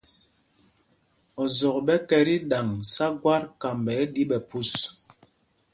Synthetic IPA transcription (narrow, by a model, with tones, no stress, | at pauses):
ɔ˨zɔ˨kɓɛ˦kɛ˨ɾi˦ɗa˨ŋsa˦ɡwa˦ɾka˨mbɛ˨˦di˦ɓɛ˨pu˦s